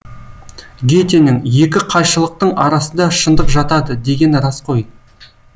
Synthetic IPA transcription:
ɡʲe̞t̪e̞nɪŋje̞kʲɪqʰɑjʃəlˠəq̚t̪əɴɑɾɑsənd̪ɑʃənd̪əqʒɑt̪ɑd̪əd̪e̞ɡʲe̞nɾɑsqʰo̞j

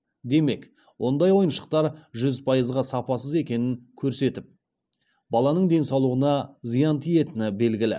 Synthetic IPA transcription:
d̪e̞me̞k | wʔo̞nd̪ɑjwo̞jənʃə̥q̚t̪ɑɾʒʏzpʰɑjəzʁɑsɑpɑsəze̞kʲe̞nɪŋkʲʰɵɾse̞t̪ɪp̚ | bɑlˠɑnəɴd̪e̞nsɑwlˠuʁənɑzijɑnt̪ʰije̞t̪ɪnɪbe̞lɡʲɪlɪ̰

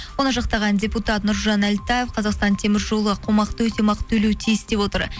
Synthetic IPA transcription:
wo̞nəʒɑqt̪ɑʁɑndʲe̞put̪ɑt̪nʊɾʒɑnælt̪aje̞fqʰɑzɑqst̪ɑnt̪ʰe̞mɪɾʒo̞lˠəʁɑqʰomɑqt̪əwɵt̪e̞mɑqə̥t̪ʰːɵlewt̪ʰijɪsd̪e̞pwo̞t̪əɾ

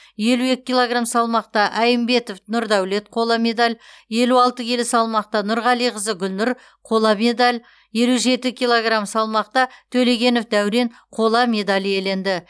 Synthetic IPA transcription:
je̞lue̞kʲɪilˠoɡramsɑlˠmɑq̚t̪ɑʔæjəmbe̞t̪ofnʊɾd̪æwle̞t̪qʰo̞lˠɑme̞d̪alʲ | je̞luɑlˠt̪əkʲʰe̞lɪsɑlˠmɑq̚t̪ɑnʊɾʁɑlˠijʁəzəɡʲʏlnʊɾ | qʰo̞lˠɑme̞d̪alʲ | je̞luʒe̞t̪ɪkʲʰijlˠoɡramsɑlˠmɑqt̪ɑt̪ʰɵle̞ɡʲe̞nofd̪æwɾe̞n | qʰo̞lˠɑme̞d̪alʲije̞le̞nd̪ɪ

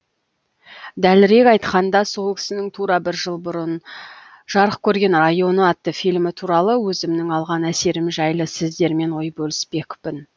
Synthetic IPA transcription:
d̪ælɪɾe̞kɑjt̪qɑnd̪ɑso̞lˠkʲʰɪ̥sɪnɪŋt̪ʰuɾɑbɪɾʒəlˠbʊɾʊn | ʒ̥ɑɾəqkʲʰɵɾɡʲe̞nrajo̞nəɑt̪ːəfijlmɪt̪ʰuɾɑlˠəwɵzɪmnɪŋɑlˠʁɑnæse̞ɾɪmʒɑjlˠəsɪzd̪e̞ɾme̞nwo̞jbɵlɪspe̞kʊ̥pɪn

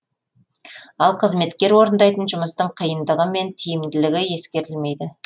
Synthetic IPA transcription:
ɑlˠqʰəzme̞t̪kʲe̞ɾwo̞ɾənd̪ɑjt̪ənʒʊməst̪əɴqʰəjənd̪əʁəme̞nt̪ʰijɪmd̪ɪlɪɡʲɪje̞skʲe̞ɾɪlme̞jd̪ɪ

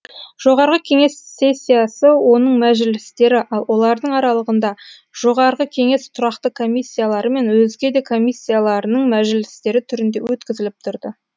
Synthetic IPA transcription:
ʒ̥o̞ʁɑɾʁəkʲʰe̞ŋe̞sːe̞sʲːijasəwo̞nəɴmæʒɪlɪst̪e̞ɾɪʔɑlˠwʔo̞lˠɑɾd̪əɴɑɾɑlˠəʁənd̪ɑ | ʒ̥o̞ʁɑɾʁəkʲʰe̞ŋe̞st̪ʰʊɾɑqt̪əkʰo̞mʲisʲːijalˠɑɾəme̞nwɵzɡʲe̞d̪e̞kʰo̞misʲːijalˠɑɾənəɴmæʒɪlɪst̪e̞ɾɪt̪ʰʏɾɪnd̪e̞̰wɵt̪kʲɪzɪlɪp̚t̪ʰʊɾd̪ə

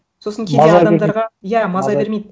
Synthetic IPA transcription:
so̞sənŋkʲʰezeɑd̪ɑd̪ɑɾʁɑjæmɑzɑbe̞ɾmejd̪ɪ

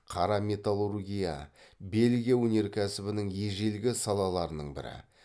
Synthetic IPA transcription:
qʰɑɾɑmʲe̞t̪alˠurɡʲija̰be̞lɡʲijewɵne̞ɾkʲʰæsɪbɪnɪŋje̞ʒelɡʲɪsɑlˠɑlˠɑɾənəɴbɪ̰ɾɪ̰

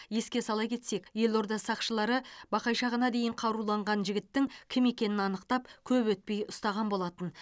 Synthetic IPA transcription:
je̞skʲe̞sɑlˠɑjkʲʰe̞t̪se̞kje̞lo̞ɾd̪ɑsɑqʃəlˠɑɾəbɑqɑjʃɑʁənɑd̪e̞jɪɴqʰɑɾulˠɑɴʁɑnʒɪɡʲɪt̪ːɪŋkʲʰɪme̞kʲe̞nɪnɑnəqt̪ɑp̚kʲʰɵpwɵt̪̚pe̞jʊst̪ɑʁɑnbo̞lˠɑt̪ən

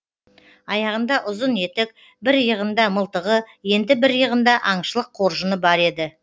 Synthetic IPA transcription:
ɑjɑʁənd̪ɑʔʊzəne̞t̪ɪk̚ | bɪɾjəʁənd̪ɑməlˠt̪əʁəje̞nd̪ɪbɪɾjəʁənd̪ɑʔɑɴʃəlˠəqʰo̞ɾʒənəbɑɾe̞d̪ɪ

